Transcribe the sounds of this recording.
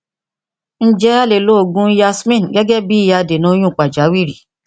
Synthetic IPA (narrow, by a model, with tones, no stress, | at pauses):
n̩˦d͡ʒɛ˦a˦le˨lo˨˦o˨ɡũ˦ja˧smĩ˦n˨ɡɛ˦ɡɛ˦bi˦ja˧de˨nũ˨˦o˦j̃ũ˦˨k͡pa˨d͡ʒa˨˦wi˦˨ɾi˨